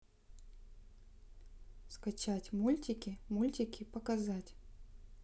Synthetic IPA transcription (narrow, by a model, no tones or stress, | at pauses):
skɐt͡ɕatʲmulʲtʲɪkʲɪmulʲtʲɪkʲɪpəkɐzatʲ